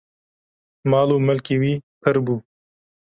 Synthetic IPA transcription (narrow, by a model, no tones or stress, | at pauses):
mɑːloməlkiwipʰəɾbu